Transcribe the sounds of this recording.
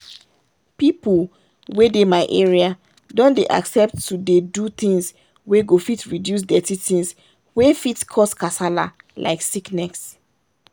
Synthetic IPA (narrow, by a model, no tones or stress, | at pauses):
pipul | wedemaɪʔeɹia | dɔ̃ndeʔa̰ksɛp̚tːudedut̪ĩŋs | weɡofitɹidjus̬dɛtitĩns | wefitkʰɔskasala̰lʔa̰ɪksiknɛks